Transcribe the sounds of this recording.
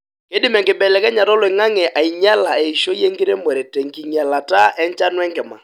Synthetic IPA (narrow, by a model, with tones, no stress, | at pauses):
ke˦dɪ˦mɛ˨ŋkɪ˨bɛ˨lɛ˨kɛ˦ɲa˨ɾɔ˦lwɛ˨ŋa˦ŋɛ˨ʔa˨i˨ɲa˦la˨ɛ˨i˨ʃo˦je˦ŋɡɪ˦ɾe˦mɛ˨ɾɛ˨tɛ˨ŋki˨ɲa˨la˨ta˦ɛ˦nt͡ʃa˦nwɛ˦ŋkɛ˨ma˨